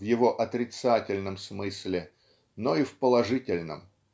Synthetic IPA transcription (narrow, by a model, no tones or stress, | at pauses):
vjɪvoʔɐt̪ɾʲɪt̪satʲɪlʲnəmsmɨsʲlʲɪ | noifpəlˠɐʐɨtʲɪlʲnə̰m